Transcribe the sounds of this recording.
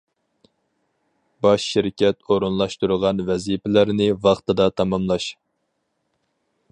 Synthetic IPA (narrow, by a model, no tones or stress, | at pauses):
bɑʃːiɾkʲɛt̪oɾɨnlˠɑʃt̪uɾʁɑnvɛzipɪlæɾnɪvɑχt̪ɨd̪ɑt̪ʰɑmɑmlˠɑʃ